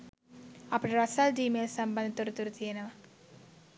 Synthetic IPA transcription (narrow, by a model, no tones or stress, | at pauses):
ɐpːuʈiɾɐsaːlɖiːmeːlsɐmbɐnd̪ɐt̪uɾut̪uɾut̪ijɐnɐʋɐ